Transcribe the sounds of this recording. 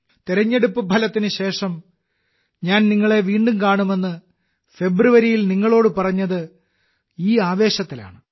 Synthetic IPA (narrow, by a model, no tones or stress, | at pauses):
t̪iɾɐɲːe̞ɽupːɨpʰɐlɐt̪ːinɨɕe̞ːʂɐm | ɲaːnniŋːɐɭe̞ʋiːɳɖumkaːɳume̞nːɨ | fe̞bruʋɐɾijilniŋːɐɭo̞ːɽɨpɐrɐɲːɐðɨ | iːaːʋe̞ːɕɐt̪ːila̰ːɳɨ